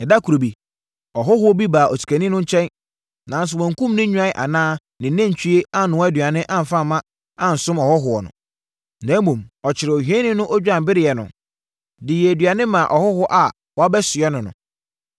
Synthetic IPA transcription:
ɛ˨da˦kʰu˨ɾo˨bi˨ | ɔ˨ɦʊ˦ɦʊ˦ɔ˦bi˦baː˨ʔɔ˨tʰi̥˨kʰæ˨nĩ˦nʊ̃˦ɲ̩˦t͡ɕʰɛ̃˦n | nã˨n˦s̬ʊ˨wɔ̃˨ŋ̩˨kũ˦mnɪ̃˦ɲᶣ˦ã˦ɪ˦ʔa̰˨nãː˦ | nɪ̃˨˦næ̃˦ɲ˨t͡ɕʰᶣi˦e˦a˦nʊ̃˨wɛ˦dɥa˨nɪ̃˦ʔã˦m̩˨fa˦˨mːã˦ | ã˨n̩˨sʊ̃˦mɔ˨hʊ˦ɦʊ˨ɔ˨nʊ̰̃˨ | næ̃˨˦m˦mũ˨mɔ˨t͡ɕʰɪ˨ɾɪ˨ɔ˨hɥɛ̃˦nɪ̃˦nʊ̃˦ʔɔ˦d͡ʑᶣã˨m˨bɪ˦ɾɪ˦˨jɛ˨nʊ̰̃˨ | dɪ˨jɛ˨dɥa˨nɪ̃˦mã˨ʔɔ˨hʊ˦hʊ˦ʔa˨ | wɔ˨˦a˦bɛ˦sɪ˨ɛ˦nʊ̃˨nʊ̰̃˨

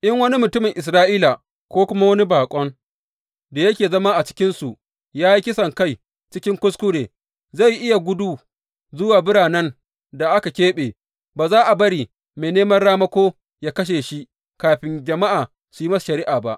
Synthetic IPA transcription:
ʔɪ˦ŋwɐ˦ni˦mʊ˨tʊ˦mɪ˨ŋʔɪ˨s̬ɾaː˦ʔiː˦la˨ | kʷoː˦kʷʊ˦ma˦wɐ˦ni˦baː˨kʷʼɔ˦ŋ | da˨jɐ˦kʲeː˨zɐ˦ma˦ʔa˨t͡ʃɪ̥˦kʲɪ˦nsu˨ʔ | jaː˦ji˦kʲɪ˦sɐ˨ŋka˦˨j | t͡ʃɪ˦kʲɪ˦ŋkʷʊ˦skʷʊ˦ɽeː˨ | za˦˨jʔɪ˦ja˨ɡʷʊ˦duː˦ | zʊ˦waː˨bɪ˦ɽaː˨nɐ˦n | da˨ʔa˦ka˨kʲeː˦ɓeː˨ | baː˨zaː˦ʔa˨bɐ˦ɽiː˨ | meː˨neː˦mɐ˦rɽaː˦mɐ˦kʷoː˦ | jaː˦kɐ˦ʃ̬eː˨ʃi˦ʔ | kaː˨ɸɪ˦nd͡ʒɐ˨ma˦ʔaː˨ | su˨ji˦mɐ˦sḁ˨ʃɐ˨ɾi˦ʔaː˨ba˦ʔ

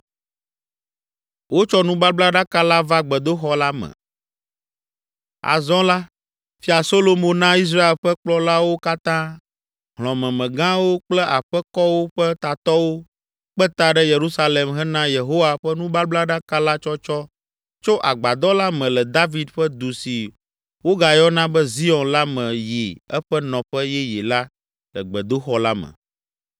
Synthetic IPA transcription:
wo˦t͡ʃɔ˦nũ˦ba˦bla˦ɖa˦ka˦la˦va˦ɡ͡bɛ˨d̪o˦xɔ˦la˦mɛ̰̃˨ | a̰˨zɔ̃˦la˦ | fi˦a˨so˦lo˦mõ˦nã˦i˦s̬ɾa˦e˨lɸɛ˦k͡plɔ˦la˦wo˦ka˦t̪ã˦ | ɦlɔ̃˨mɛ̃˨mɛ̃˨ɡã˦wo˦k͡plɛ˦ʔa˨ɸɛ˦kɔ˦wo˦ɸɛ˦t̪a˨t̪ɔ˦wo˦ | k͡pɛ˦t̪a˨ɖɛ˦je˨ɾu˦sa˦le˨mɦɛ˦nã˦je˨ɦo˦wa˨ɸɛ˦nũ˦ba˦bla˦ɖa˦ka˦la˦t͡ʃɔ˦t͡ʃɔ˦ | t͡ʃo˦ʔa˨ɡ͡ba˨d̪ɔ˦la˦mɛ̃˨lɛ˨d̪a˦vi˨˦d̪ɸɛ˦d̪u˨si˨ | wo˦ɡa˨jɔ˦nã˦bɛ˦zi˦ɔ̃˨nla˦mɛ̃˨je˨ɛ˦ɸɛ˦nɔ̃˨ɸɛ˦jɛ˦je˨la˦ | lɛ̰˨ɡ͡bɛ˨d̪o˦xɔ˦la˦mɛ̰̃˨

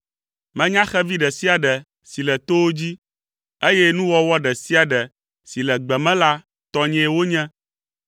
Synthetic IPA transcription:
mɛ̃˦ɲã˦xɛ˦vi˦ɖɛ˨si˦a˨ɖɛ˨ | si˨lɛ˨t̪o˦wo˦d͡ʑi˦ | e˦jɛ˦nũ˦wɔ˦wɔ˦ɖɛ˨si˦a˨ɖɛ˨ | si˨lɛ˨ɡ͡bɛ˨mɛ̃˦la˦ | t̪ɔ˦ɲɛ̃˨wo˦ɲɛ̃˦

